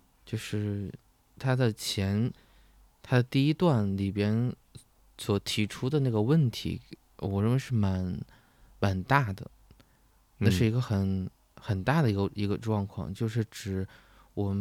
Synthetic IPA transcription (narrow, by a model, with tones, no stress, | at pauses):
t͡ɕjo˥˧ʊʂɻ̩˥˩ | t̪ʰa˥d̪a˥˧t͡ɕʰjɛ˧˥n | t̪ʰa˥d̪ə˧t̪i˥˧i˥t̪wa˥˩nli˨˩pjɛ˥n | swɔ˨˩t̪ʰi˧˥ʈ͡ʂʰu˥d̪ə˨˧na˥˩ɡə˩wə˥˩nt̪ʰḭ˧˥ | wɔ˨˩ɻə˥˩nwɪʂɻ̩˥˩ma˧˥n | ma˧˩nt̪a˥˩d̪ə̰˩ | na˥˧ʂɻ̩˥˩i˧˥ɡə˧xə˨˩˦n | xə˨˩nt̪a˥˩d̪ə˩i˧˥ɡə˧i˧˥ɡə˧ʈ͡ʂwɑ˥˧ŋkʰwɑ̰˥˧˩ŋt͡ɕjo˥˧ʊʂ̬ɻ̩˥˩ʈ͡ʂɻ̩˨˩ | wɔ˨˩m˦